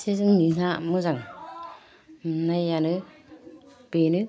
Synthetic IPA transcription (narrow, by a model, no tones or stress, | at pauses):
sizɯŋnin̥amɯzaŋ | mnajanɯ | b̥enɯ